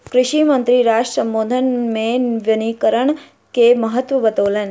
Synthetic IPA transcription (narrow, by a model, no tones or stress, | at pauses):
kɾɪʃimənt̪ɾiɾaʂʈsəmbod̪ʱənmeʋjənikəɾəɳ | keməɦət̪ʋəbət̪olən